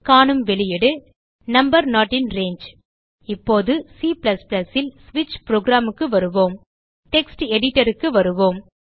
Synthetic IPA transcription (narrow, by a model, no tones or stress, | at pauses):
kaːɳɯmʋɛɭɪjɛɽɯ | nɐmbɐɾnaːʈːɪnɾeːɲd͡ʒ | ɪpːoːðɯsiːplɐsplɐsɪlsʋɪt͡ʃːpɾoːɡɾaːmɯkːɯʋɐɾɯʋoːm | ʈɛksʈɛɽɪʈːɐɾɯkːɯʋɐɾɯʋoːm